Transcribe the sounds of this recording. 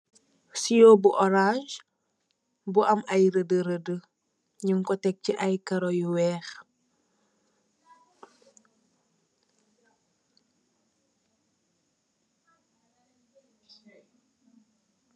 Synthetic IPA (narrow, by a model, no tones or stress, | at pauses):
sijobuʔɔɾãd͡ʒ | buʔɐmʔɐjɾədəɾədə | ɲuŋkɔtɛk̚ciʔɐjkɐɾojuwɛːx